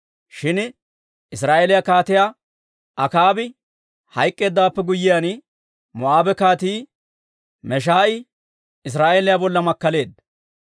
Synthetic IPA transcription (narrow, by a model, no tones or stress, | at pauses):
ʃɪn | ɪs̬ɾaːʔelɪjakaːt̪ɪjaː | ʔɐkaːbɪ | hɐjkʼːe̞ːd̪ːaːpːɛɡʊjːɪjaːn | mɔʔaːbɛkaːt̪iː | mɛʃ̬aːʔɪ | ɪs̬ɾaːʔelɪjabɔlːɐmɐkːɐle̞ːd̪